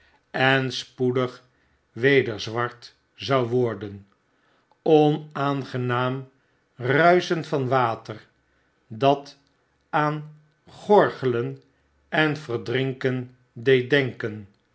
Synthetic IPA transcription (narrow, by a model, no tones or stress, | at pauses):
ɛnspudəχ | ʋejdəɹzʋɑɹt | zɑwʋɔɹdən | ɔnaːnχənaːm | rœɥsəntfɑnʋaːtər | dɑt | aːn | χɔɹχələn | ɛnvəɹdrɪŋkən | dej̚dɛŋkən